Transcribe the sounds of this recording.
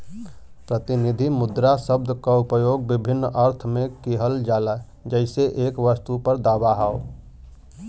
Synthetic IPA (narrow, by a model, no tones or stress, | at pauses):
pɾət̪ɪnɪd̪ʱimʊd̪ɾasəb̚d̪ʱkaʊpəjoːɡ̚bɪbʱɪnːəɾt̪ʰmẽkiɦəld͡ʒaːla | d͡ʒəɪseʔeːkʋəst̪upəɾd̪aːbaɦaːo